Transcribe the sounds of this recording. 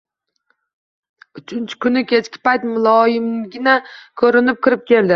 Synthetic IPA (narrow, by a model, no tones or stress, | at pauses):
ʊt͡ʃʰɪnt͡ʃʰɪ̥kʊnɪkʲʰe̞t͡ʃkʲɪ̥pajt̪mʊlˠɒjɪmɡʲɪnakʰɵɾɪnɪp̚kʲɪɾɪp̚kʲe̞ld̪ɪ